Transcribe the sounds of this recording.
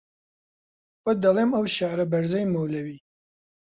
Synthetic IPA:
wɐd̪ɐlˠemɐwʃaɾɐbɐɾzɐjmɐwlɐwiː

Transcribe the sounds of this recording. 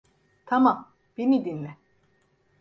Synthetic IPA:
t̪ʰamam | b̥enid̪inlʲɛ

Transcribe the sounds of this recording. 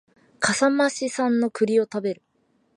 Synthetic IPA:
kʰasamaɕisãnːo̞kɯ̟ɾʲio̞t̪abe̞ɾɯ̟

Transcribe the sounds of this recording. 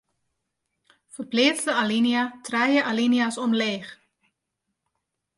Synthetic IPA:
fərpleːtdəaliniatʰrɛjəʔaliniasɔmleːx

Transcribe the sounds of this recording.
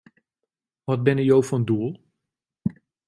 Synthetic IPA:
ʋɑd̚bɪnəjowfɔnduəlˠ

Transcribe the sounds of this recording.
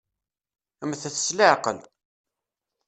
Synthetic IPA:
əmθəθəslɪʕqə̰l

